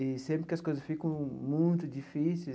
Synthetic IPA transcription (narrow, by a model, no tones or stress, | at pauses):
ɪsẽmpɾɪkɪɐskojzɐsfikɐ̃w̃mũj̃t̪ʊd͡ʒifise